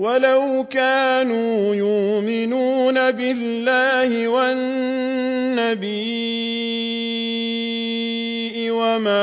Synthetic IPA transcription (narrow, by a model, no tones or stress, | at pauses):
walawkaːnuːjʊʔmɪnuːnabɪlːaːhɪwanː | abiː | ʔɪwamaː